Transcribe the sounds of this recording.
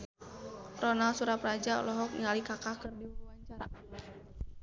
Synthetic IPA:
rɔnalsuɾaprad͡ʒa̰lɔɦɔk̚ŋalikakakɨrdiuuwaɲt͡ʃaɾa

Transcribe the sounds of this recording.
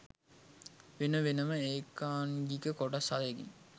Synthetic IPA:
ʋenəʋenəməeːkːaːnɡikəkoʈasaleɡḭɲ

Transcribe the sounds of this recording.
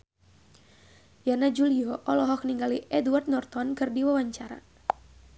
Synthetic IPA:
janad͡ʒuliɔʔɔlɔɦɔk̚niŋɡaliʔɛduwart̪̚nɔrt̪ɔnkɨrdiwawaɲt͡ʃaɾa̰

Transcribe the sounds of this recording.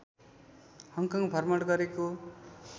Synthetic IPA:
hʌŋkʌŋbʱʌrmʌɽɡʌɾeko

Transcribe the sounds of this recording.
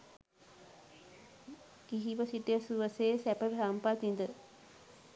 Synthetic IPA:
ɡ̥iɦiʋəsiʈəjəsuʋəseːsæpəbʱɾampat̪ind̪ə

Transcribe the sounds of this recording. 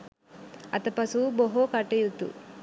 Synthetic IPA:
ɐt̪ɐpɐsuboɦokɐʈːejut̪ːṵ

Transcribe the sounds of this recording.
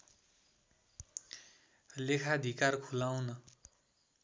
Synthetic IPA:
lekʰad̪ʱikarkʰulawnʌ

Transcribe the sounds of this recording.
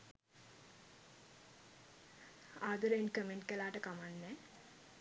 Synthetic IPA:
aːd̪uɾeenkəmenʈ̚kəlaːʈəkamanːɛː

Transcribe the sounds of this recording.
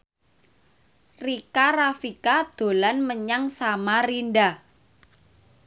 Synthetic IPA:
rikarafikad̪̥o̤lanməɲaŋsamarinda

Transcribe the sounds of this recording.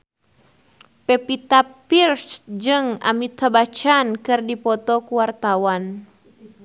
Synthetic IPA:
pɛpit̪apirsd͡ʒɨŋa̰mit̪abat͡ʃankɨrdipɔt̪ɔkuwart̪awan

